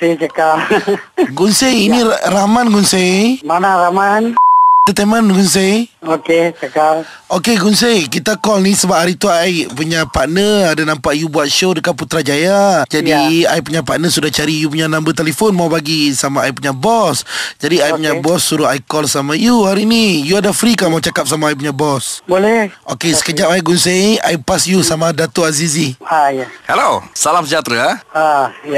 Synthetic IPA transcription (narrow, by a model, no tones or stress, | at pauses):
set͡ʃəka | ɡunseiniɾamanɡunsemanaɾamanit̪at̪amanɡuns̬ejoket͡ʃəka | okeɡuns̬ejkit̪akɔlnisəbap̚haɾit̪uajpuɲapaʔnəadanampaʔjubuat̪̚ʃodəkanput̪ɾad͡ʒajad͡ʒadiaip̬uɲapaʔnəsudaht͡ʃaɾijup̬uɲanãmbət̪elefonmawbaɡisamaaipuɲabɔsd͡ʒadiajpuɲabɔsːuɾuajkɔlsamajuhaɾinijuadafɾikamaut͡ʃakap̚samaajp̬uɲabɔsbolɛokesə̥kəd͡ʒapajʔɡunsea̰ipasjusamadat̪oazizi | hɛlosalamsəd͡ʒat̪ɾa